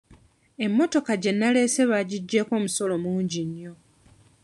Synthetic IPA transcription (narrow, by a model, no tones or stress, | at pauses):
e̞mːo̞to̞kaɟe̞nːale̞ːse̞βaɟiɟːe̞ːko̞ːmuso̞lo̞muːɲɟiɲːo̞